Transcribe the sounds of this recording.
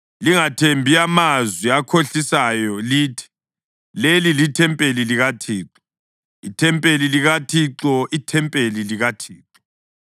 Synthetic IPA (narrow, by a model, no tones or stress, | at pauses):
liŋatʰembʱiamazwiakʰoɬisajɔliːtʰi̥ | lelilitʰɛmpʼeliliɣatʰiːǁɔ | itʰɛmpʼeliliɣatʰiǁɔʔitʰɛmpʼeliliɣatʰiːǁɔ